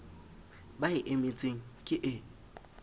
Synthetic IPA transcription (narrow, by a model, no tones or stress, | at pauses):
baɪʔemet͡sʼeŋ̩kʼɪʔɪ